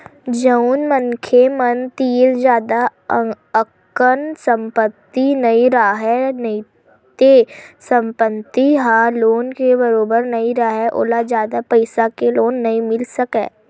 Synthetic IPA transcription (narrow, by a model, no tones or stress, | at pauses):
d͡ʒəunmənkʰemənt̪iːld͡ʒjaːd̪a | ək | ənsə̃mpət̪ːinɐĩɾaaɦɛnəĩ | t̪esə̃mpət̪ːiɦaːloːnkebəɾoːbəɾnɐiɾaɦɛʔo̰ːlad͡ʒjaːd̪apəɪsakeloːnːɐĩmɪlsəkɛ̰ː